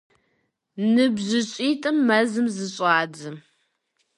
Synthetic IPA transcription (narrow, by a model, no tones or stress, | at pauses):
nɨbʑɪɕʼiːtʼɨmːɐzɨmzɨɕʷʼaːdɨ